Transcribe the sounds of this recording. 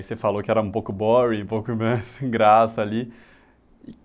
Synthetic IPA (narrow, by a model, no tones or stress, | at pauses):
sefalokɪɛɾɐũpowkʊbɔɾiũpowkʊmajsɡɾasɐali | ɪ